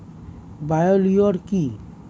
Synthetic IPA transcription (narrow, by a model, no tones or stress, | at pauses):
bajolioɾki